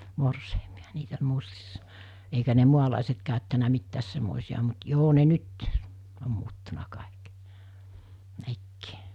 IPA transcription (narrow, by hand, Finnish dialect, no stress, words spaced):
morseimiɑ̥ niːt olʲ mustisːɑ eikæ ne muɑlɑˑiset kɑˑøtːænæ mitːæːs semːoˑisiɑ mut joː ne nyt om muːtːunɑ kɑˑik nekːi̥ː